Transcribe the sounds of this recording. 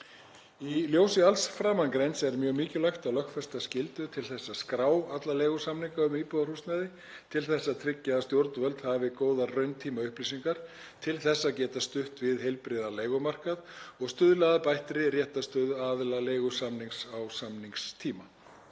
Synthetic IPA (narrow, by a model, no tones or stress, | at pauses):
iljoːwsɪalsfɾaːmankɾejnsɛɾmjœːɣmɪːcɪlajxt̪alœxkfɛst̪ascɪlt̪ʏt̪ʰɪlθɛsːaskɾaːwat̪lalejɣʏsamniŋkaʏmiːpɔðar̥ust̪naðɪ | t̪ʰɪlθɛsːaðt̪ʰɾɪcːaðast̪jowɾt̪nvœlt̪havɪkoːwðarœɥnt̪ʰiːmaʏhplis̬iŋkaɾ̥ | t̪ʰɪlθɛsːaðcɛːt̪ast̪ʏht̪vɪðhejlpɾɪðaleːjɣʏmar̥kaðɔɣst̪ʏðlɛɣðapajht̪ɾɪrjɛht̪ast̪ʏðaːðlaleːjɣʏsamniŋksawsamniŋkst̪ʰiːma